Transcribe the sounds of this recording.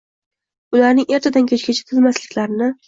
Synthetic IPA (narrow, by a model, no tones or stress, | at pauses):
ʊlaɾnɪŋʔe̞ɾt̪ʰad̪ankʲʰet͡ʃkʲat͡ʃʰɪ̥t̪ʰɪlmaslɪkʲlaɾɪnɪ